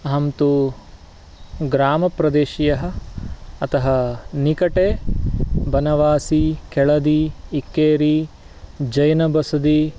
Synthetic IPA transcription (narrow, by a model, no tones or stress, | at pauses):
ɐɦɐmt̪u | ɡɾaːmɐpɾɐd̪eːʃijɐɦɐ̆ | ɐt̪ɐɦɐnikɐʈeː | bɐnɐʋaːsikɛɭɐd̪iːkːeːɾi | d͡ʒɐjnɐbɐsɐd̪i